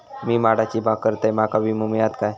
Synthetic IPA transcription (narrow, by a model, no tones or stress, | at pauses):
miːmaɽat͡ɕiːbʱaɡ̚kːəɾt̪ajmakabimumjat̪kaj